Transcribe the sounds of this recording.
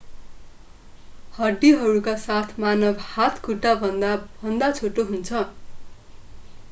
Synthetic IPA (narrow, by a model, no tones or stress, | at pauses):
hʌrɖiɦʌɾukasat̪ʰmanʌbhat̪ʰkuʈːabʱʌnd̪abʱʌnd̪at͡sʰoʈoɦunt͡sʰʌ